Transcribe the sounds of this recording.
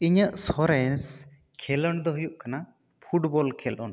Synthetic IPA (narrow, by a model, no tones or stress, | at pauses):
iɲəʔsɔɾɛns | kʰɛlɔɳd̪ɔɦujuʔkana | pʰuʈbɔlkʰɛlɔ̰ɳ